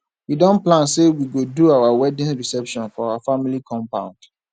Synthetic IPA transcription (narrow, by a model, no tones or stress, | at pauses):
widɔ̃nplãnsewiɡoduawawɛdɪ̃nɹisɛpʃɔ̃nfɔawafamilikʰɔ̃mpãʊ̃nd̥